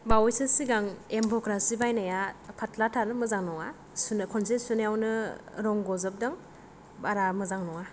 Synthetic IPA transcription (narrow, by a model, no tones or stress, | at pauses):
bawɔjsɯsiɡaŋempʰɔkɾasibajnajapʰatʰlatʰaɾɯmɯzaŋnɔŋa | sunkʰɔnsesunjawnɯɾɔŋɡɔzɯp̚dɯŋ | baɾamɯzaŋnɔŋa